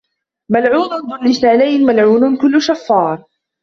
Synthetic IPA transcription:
malʕuːnʊnd̪ˤʊnːɪsaːlajmalʕuːnnkʊlːʊʃafːɑːɾˤ

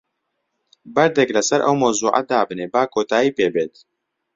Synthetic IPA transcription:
bɐɾd̪ɛklɐsɐɾʔɐ̰wmɐwzuːʔa̰d̪aːbɨneːbaːkʰoːt̪aːiːpeːbeːt̪

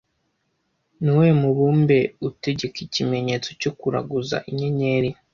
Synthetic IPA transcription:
niwe̞muβuːmbe̞ute̞ɟe̞kicime̞ɲe̞ːt͡so̞̥cokuɾa̰ɡuza̰ʔiɲe̞ɲe̞ɾi

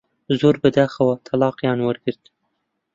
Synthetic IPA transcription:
zuɾbəd̪axawat̪ʰalɑːqjɑnwəɾɡəɾd̪

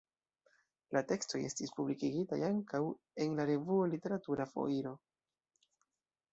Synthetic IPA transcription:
late̞ksto̞je̞stispublikiɡita̰jaŋkaw | e̞nlaɾe̞vuolite̞ɾatuɾafo̞̰iɾo̞

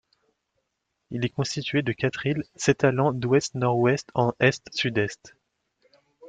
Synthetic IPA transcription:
ilɛkɔ̃st̪it̪ɥed̪əkʲat̪χilsɛt̪alɑ̃d̪wɛst̪nɔʁwɛst̪ɑ̃ʔɛst̪syd̪ɛst̪

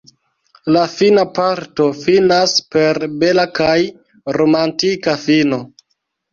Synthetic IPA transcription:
lafinapaɾto̞finaspe̞ɾbelakaj | ɾo̞mantikafino̞

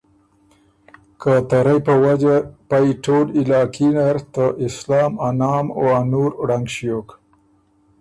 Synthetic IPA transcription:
kat̪aɾajpəwad͡ʒapajʈolilɑːkinaɾt̪əʔɪslɑːmanɑːmoanuɾɽaŋɡʃijok

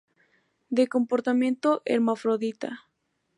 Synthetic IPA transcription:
d̪eko̞mpoɾt̪amjẽnt̪oʔḛɾmafɾoðit̪a̰

